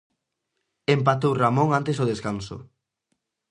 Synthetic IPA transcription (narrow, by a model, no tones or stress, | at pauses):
empat̪owramõŋant̪esʊð̞eskansʊ̰